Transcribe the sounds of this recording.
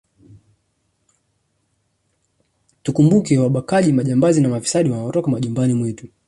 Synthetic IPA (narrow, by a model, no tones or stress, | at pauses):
tukumbukɛwaɓakaʄimaʄambazinamafi̥saɗiwanaɔtɔkamaʄumbanimwitu